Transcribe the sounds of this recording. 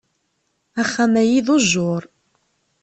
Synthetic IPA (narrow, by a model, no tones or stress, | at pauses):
æχːæmæjiðoʒːʊɾˤ